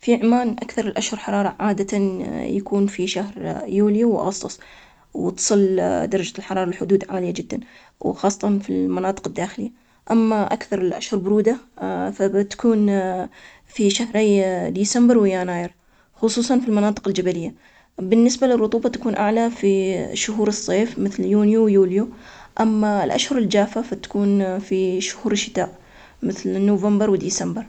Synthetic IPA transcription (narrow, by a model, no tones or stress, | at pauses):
fiʕmaːnʔakθɑɾˤɪlʔaʃhʊɾħɑɾˤɑːɾˤɑʕaːd̪at̪ajakuːnfiʃahɾjuːljiwʔɑ̰ɣɑsˤt̪ˤʊsˤ | wt̪sˤɨld̪ɑɾˤɑd͡ʒalħɑɾˤɑːɾˤɑlħʊd̪uːd̪ʕaːlɪjːad͡ʒɪd̪ːan | wxɑːsˤːɑt̪ˤɑnfḭlmanɑːt̪ˤɨ̥qɪd̪ːaːxɪlɪjːa | ʔamːaʔakθɑɾˤɪlʔa̰ʃhʊɾbʊɾuːd̪afat̪ḁkuːn | fiʃahɾajd̪iːsambɪɾwɪjaːnaːjɪɾ | xʊsˤuːsˤɑnfilmɑnɑːt̪ˤɨ̥qɪld͡ʒabalɪjːa | bɪnːɪsbalɪrˤːʊt̪ˤuːbɑt̪ḁkuːnʔaʕlafiʃʊɦuːɾɨsˤːeːfmɪθljuːnjuwjuːljuʔamːalʔa̰ʃhʊɾɪld͡ʒaːfafat̪ḁkuːnfiʃʊ̥huːɾɪʃːɪt̪aːʔ | mɪθlnːovambɪɾwɪd̪iːsambɪɾ